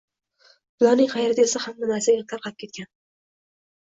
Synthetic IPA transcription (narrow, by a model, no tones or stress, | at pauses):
bʊlˠɒnɪŋχɑjaɾɪd̪esahamːɪnasɪjʲat̪ʰaɾqʰɑlɪp̚kʲe̞t̪̚kʲan